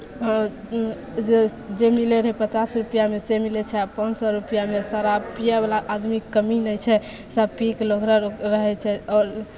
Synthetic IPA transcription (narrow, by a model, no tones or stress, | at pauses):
ed͡ʒemileɾəɦɛpət͡ʃasɾupijamesemilɛt͡ʃʰɛapənd͡ʒsɔɾupijamesaɾapijabelaʔːd̪mikəminəjt͡ʃʰɛ | sapikləɡɾəɾəɦɛt͡ʃʰɛɔɾ